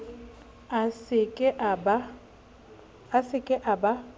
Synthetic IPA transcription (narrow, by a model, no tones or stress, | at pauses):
asɪkʼɪʔaba | asɪkʼɪʔaba